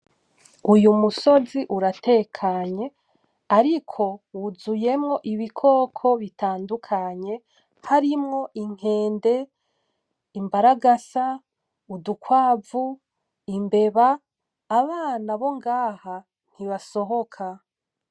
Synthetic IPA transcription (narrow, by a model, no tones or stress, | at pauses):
ujumuso̞ziʔuɾate̞ːkʰaɲe̞ | aɾikʰo̞wuzuje̞mŋo̞ʔiβikʰo̞ːkʰo̞βitaːndukʰaɲe̞ | haɾimŋo̞ʔiŋ̥e̞ːnde̞ | imbaɾaɡasa | udukwaːvu | imbe̞βaː | βaːnaβo̞ŋɡaːha | n̥iβaso̞ɦo̞kʰa